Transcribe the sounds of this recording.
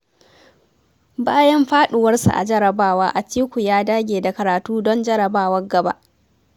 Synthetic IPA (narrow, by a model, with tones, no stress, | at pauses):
baː˦jɐ˦mɸaː˦ɗʊ˨wɐ˦rsṵ˨ʔa̰˨d͡ʒɐ˦ɾɐ˨baː˦waː˦ʔa˨tiː˦kʷu˨jaː˦daː˦ɡʲeː˨da˨kɐ˨ɾaː˨tuː˦dɔ˦nd͡ʒɐ˦ɾɐ˨baː˦wɐ˦ɡɐ˨ba̰ː˦ʔ